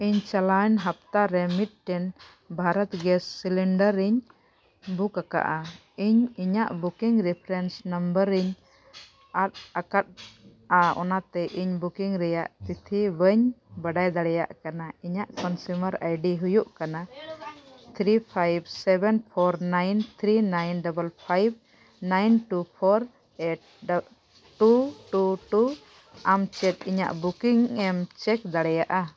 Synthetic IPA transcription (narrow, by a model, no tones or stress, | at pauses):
iɲt͡ʃalanɦap̚t̪aɾɛmit̪̚ʈɛn | bʱaɾɔt̪ɡɛsːiliɳɖəɾiɲ | bukaka̰ʔa | iɲiɲaʔbukiŋɾipʰɾɛnsnəmbəɾiɲ | at̚akat̪̚ | aɔ̰nat̪ɛʔiɲbukiŋɾɛjaʔt̪it̪ʰibəɲbaɖajd̪aɽɛja̰ʔkanaiɲaʔkɔnsuməɾa̰jɖiɦujuʔkana | t̪ʰɾipʰajbsɛbɛnpʰɔɾnajnt̪ʰɾinajnɖɔbəlpʰajb̚ | najnʈupʰɔɾ | eʈ̚ɖ | ʈuʈuʈu | amt͡ʃɛt̪̚iɲa̰ʔbukiŋɛmt͡ʃɛk̚d̪aɽɛjaʔa